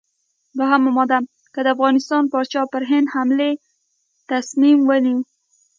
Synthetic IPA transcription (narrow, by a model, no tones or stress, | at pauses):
baɦamʊmɑd̪am | kəd̪əafɣɑnɪst̪ɑnpɑɾt͡ʃɑpəɾɦɪnd̪hamle | t̪asmimwəni